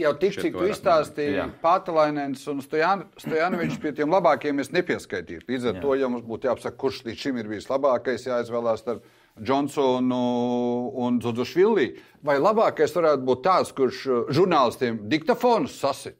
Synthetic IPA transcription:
jawt̪ik̪ikt̪uist̪aːst̪ḭpaːt̪alˠajnɛnsunst̪ɔjanst̪ɔjaːnɔʋʲit͡ʃspiɛt̪iɛmlˠabaːkjɛmesnepiɛskajt̪ḭːt̪lˠiːd̪zaɾt̪uɔjamusbuːt̪jaːpsakkːuɾʃlʲˠiːʃimiɾbiːslˠabaːkajsjaːizʋɛːlˠaːst̪aɾp | d͡ʒɔnsɔnuː | nd̪zudzuʃʋilˠːiː | vajlˠabaːkajsʋaɾæːt̪̚buːt̪̚t̪ːaːt̪skuɾʃʒuɾnaːlˠist̪iɛmd̪ikt̪afoːnusːasi

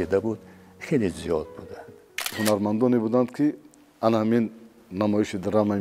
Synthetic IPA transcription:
id̪abud̪ | χelezijɔd̪̚bud̪and̪̥ | hunaɾmand̪ɔnebud̪and̪kʰi | anhaminː | amɔiʃid̪iɾama

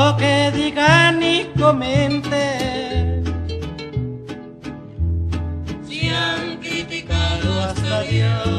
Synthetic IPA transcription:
keðikanikoment̪e | iaŋkit̪ikaloasai

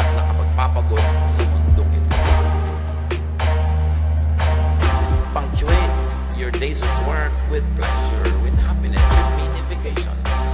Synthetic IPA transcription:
t̪̚nɐkɐpɐɡ̚papɐɡod̪̚sɐmʊnd̪oŋʔɪt̪oo | pɐŋt͡ʃwɛ̃t̪ | jɔɹd̪ejsɔtwɛɹk̚wɪd̪̚plɛʃɛ̰ɹwɪd̪hapɪnɛ̰sɪd̪mjunɪfɪkejʃɔ̰̃ns

